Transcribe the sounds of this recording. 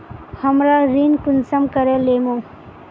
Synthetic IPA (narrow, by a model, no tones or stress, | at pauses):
hɐmɾaɾinkunsəmkəɾelemõː